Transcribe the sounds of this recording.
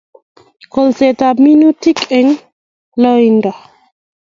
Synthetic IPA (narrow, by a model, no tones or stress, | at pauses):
kɔlsetaminutikɛŋ | lɔinda